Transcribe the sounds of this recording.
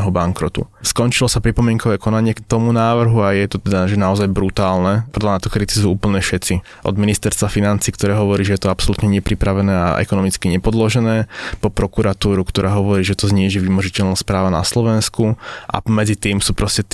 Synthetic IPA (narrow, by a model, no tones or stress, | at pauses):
ɦɔbaŋkɾɔt̪ṵskɔnt͡ʃilɔsapɾipɔmɪɛŋkɔʋɛːkɔnaɲɪɛkt̪ɔmunaːʋr̩ɦuajɛt̪ɔt̪ɛd̪aʒɛnaɔzajbɾut̪aːlnɛprd̪lanat̪ɔkɾit̪izuuːpl̩ɲɛfʃɛt͡si | ʔɔ̰d̪minist̪ɛɾst̪ʋafinant͡siːkt̪ɔɾɛːɦɔʋɔɾiːʒɛjɛt̪ɔapsɔlut̪ɲɛɲɛpɾipɾaʋɛnɛːa̰ʔɛ̰kɔnɔmit͡skiɲɛpɔd̪lɔʒɛnɛːpɔpɾɔkuɾat̪uːɾukt̪ɔɾʔaːɦɔʋɔɾiːʒɛt̪ɔzɲiːʒiʋimɔʒicɛʎnaspɾaːʋana̰slɔʋɛnskuʔa̰mɛd͡zit̪iːmsuːpɾɔscɛ